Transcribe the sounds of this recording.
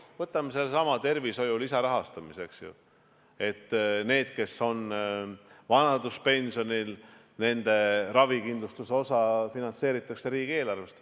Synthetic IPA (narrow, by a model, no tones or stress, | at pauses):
vɤt̪ːˑɑmːese̞lsɑmɑt̪e̞rviso̞julisɑɾɑɦɑst̪ɑmise̞ksjṵ | e̞t̪ːne̞ːd̪̥ke̞so̞n | vɑnɑd̪̥uspe̞nʲsio̞nil | ne̞nd̪̥e̞ɾɑvikind̪lust̪useo̞sɑfinɑnse̞ːɾit̪ːˑɑkseɾiːɡ̥e̞ːlɑrvest̪